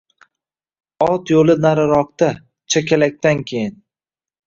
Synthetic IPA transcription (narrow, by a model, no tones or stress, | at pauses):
ɒt̪jolɪnaɾɪɾɒq̚t̪a | t͡ʃʰakʲʰalak̚ʲt̪ankʲʰejɪn